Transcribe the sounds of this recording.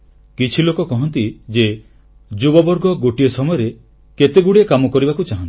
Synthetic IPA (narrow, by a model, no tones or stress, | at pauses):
kit͡ʃʰilokɔkɔɦɔnt̪id͡ʒe | d͡ʒubɔbɔɾɡɔɡoʈiɔsɔmɔjɔɾe | ket̪eɡuɽiekamɔkɔɾibakut͡ʃaɦɔ̃nt̪